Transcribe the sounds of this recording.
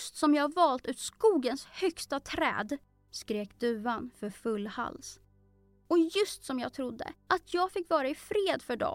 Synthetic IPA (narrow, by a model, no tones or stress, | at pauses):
st̪sɔmjɑːavɑːlt̪ʉ̟ːt̪skuːɡənshœkst̪at̪ʰɾɛ̰ːd̪ | skɾeːkd̪ʉ̟ːanfœɾfɵlːha̰ls | ɔjɵst̪sɔmjɑːɡ̚t̪ʰɾʊd̪ːə̰ʔat̪ʰjɑːɡfɪkːvɑːɾaɪfɾeːd̪fœɖɔ̰